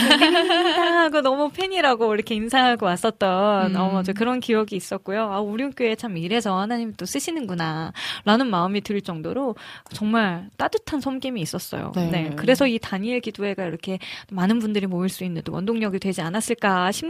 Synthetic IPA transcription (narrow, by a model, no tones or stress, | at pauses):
aŋɦaɡonʌmupʰe̞ɲiɾaɡoiɾʌkʰe̞insʰaŋɦaɡowas͈ʌt̚t͈ʌnʌd͡ʑekɯɾʌnkiʌɡiːs͈ʌt̚k͈ojoauɾiunk͈joe̞t͡ɕʰamiɾe̞sʰʌhanaɲimit͈os͈ɯɕʰinɯnɡunaɾanɯnmaɯmitɯɭt͡ɕ͈ʌŋdoɾot͡ɕʌŋmaɭt͈adɯtʰansʰʌmɡimiːs͈ʌs͈ʌ̰jo̰ne̞kɯɾe̞sʰʌitaɲiɭɡidue̞ɡaiɾʌkʰe̞manɯnbundɯɾimoiɭs͈uinːɯntowʌ̰ndoŋɲʌɡidwe̞d͡ʑianas͈ɯɭk͈aɕʰim